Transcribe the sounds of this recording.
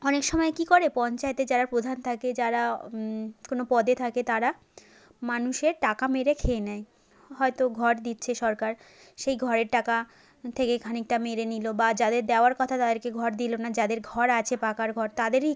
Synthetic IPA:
ɔnekʃɔmɔekikoɾepɔnt͡ɕaet̪ed͡ʑaɾaɾpɾod̪ʱant̪ʰaked͡ʑaɾa | konopɔd̪et̪ʰaket̪aɾa | manuʃeɾʈakameɾekʰeenɛe | ɦɔet̪oɡʱɔɾd̪itːɕʰeʃɔɾkaɾ | ʃejɡʱɔɾeɾʈaka | t̪ʰekekʰanik̚ʈameɾenilobad͡ʑad̪eɾd̪eoaɾkɔt̪ʰat̪ad̪eɾkeɡʱɔɾd̪ilonad͡ʑad̪eɾɡʱɔɾat͡ɕʰepakaɾɡʱɔɾt̪ad̪eɾi

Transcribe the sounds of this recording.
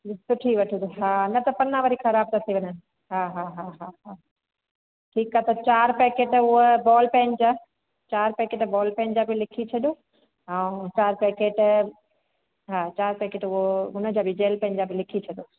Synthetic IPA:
sʊʈʰiʋɐʈʰid̪uɦanɐt̪ɐpɐnːãʋɐɾixɐɾaːb̚t̪ɐt̪iʋɐɲə | ɦaːɦaɦaɦaɦa | ʈʰiːkːaɦt̪ɐt͡ɕaːɾpɛːkeːʈʊɦobɔːlpɛ̃ɪnd͡ʑaː | t͡ɕaːɾpeːkeːʈbɔːlpɛ̃ɪnd͡ʑaːbilɪkʰit͡ɕʰɐɗjo | ɛũt͡ɕaːɾpeːkeːʈ | ɦãːt͡ɕaːɾpeːkeːʈʊɦoʊnəd͡ʑaːbʱid͡ʑeːlpɛ̃ɦɪnd͡ʑaːbʱɪlɪkʰit͡ɕʰɐɗoː

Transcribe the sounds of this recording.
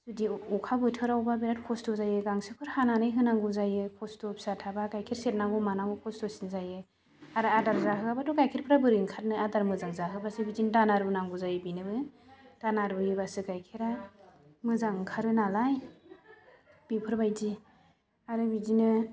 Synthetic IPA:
zudiɔkʰabɯtʰɯɾawbabinat̚kʰɔstɔzajɯɡaŋsɯkʰɯɾhananɯjɦɯnaŋɡuzajɯkʰɔstɔpsatʰabaɡajkʰeɾset̚naŋɡɔmanaŋɡɔkʰɔstɔsinzajɯ | aɾɯadaɾzaɦɯabaduɡajkʰeɾpʰɾabɯɾiŋkʰat̚nɯadaɾmɯzaŋzaɦɯbasɯbizindanaɾbɯnaŋɡuzajɯbinɯbɯd̥anaɾbɯjibasɯɡajkʰeɾa | mɯzaŋkʰaɾɯnalaj | b̥ipʰɯɾbajzi | aɾɯbizinɯ

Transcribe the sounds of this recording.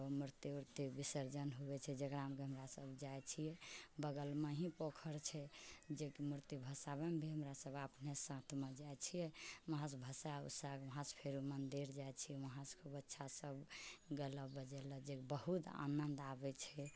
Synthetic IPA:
muɾt̪iuɾt̪ibisəɾd͡ʒənɦuɛt͡ʃʰɛd͡ʒekɾamkeɦəmɾasəbʱd͡ʒajt͡ʃʰijɛbəɡəlmeɦĩpokʰəɾt͡ʃʰɛd͡ʒekmuɾt̪ibʱəsabembʱiɦəmɾasəbapnesãt̪ʰmẽd͡ʒajt͡ʃʰijɛməɦãsbʱəsaṵsakʋəɦãspʰeɾumənd̪iɾd͡ʒajt͡ʃʰijɛʋəɦãskʰobətːʃʰasəbɡələbːəd͡ʒɛləd͡ʒekbəɦut̪a̰nənd̪abɛt͡ʃʰɛ

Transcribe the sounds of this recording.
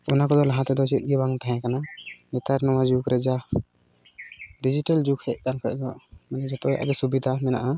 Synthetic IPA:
ɔnakɔd̪ɔlaɦãt̪ɛd̪ɔsʰɛɗɡɛbaŋt̪aɦɛ̃kananɛt̪aɾnɔwad͡ʒukɾɛd͡ʒa | did͡ʒiʈald͡ʒukhɛʔ̚kankʰɔʔdɔʔmanɛd͡ʒɔt̪ɔjʔa̰ɡɛsubid̪ʱamɛna̰ʔa

